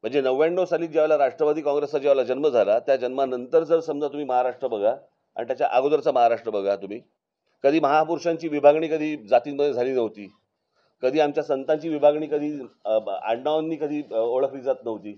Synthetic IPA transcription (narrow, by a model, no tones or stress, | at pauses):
m̤əɳd͡zenəʋjãɳːəʋsaliːd͡ʑeʋlaɾaʂʈɾəʋad̪ʱiːkɔ̃ŋɡɾesad͡ʑeʋlad͡ʑənməd͡zʱalat̪jad͡ʑənmanənt̪əɾd͡zəɾsəmd͡zat̪um̤iːməɦaɾaʂʈɾəbəɡʱa | a̰ɳit̪jat͡ɕja̰ʔaɡod̪əɾt͡saməɦaɾaʂʈɾəbəɡʱat̪um̤iː | kəd̪ʱiːməɦapuɾʂãɲt͡ɕiːʋibʱaɡɳiːkəd̪ʱiːd͡zat̪iːməed͡zʱaliːnəʋt̪iː | kəd̪ʱiːamt͡ɕjasənt̪aɲt͡ɕiːʋibʱaɡɳiːkəd̪ʱiː | a̰ɳnaʋnːiːkəd̪ʱiːoɭəkʰniːd͡zat̪nəʋt̪iː